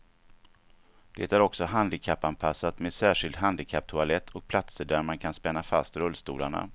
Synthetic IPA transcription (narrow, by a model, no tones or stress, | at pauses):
d̪̥ḛt̪æɾɔksɔɦand̪ɪkʰapːanpʰasːat̪meːd̪sæːʂɪld̪ɦand̪ɪkʰap̚t̪ʰʊalɛt̪ʰːɔk̚pʰlat̪səɖæɾmankʰanspɛnːafa̰st̪ɾɵlːst̪ṵːla̰ɳa̰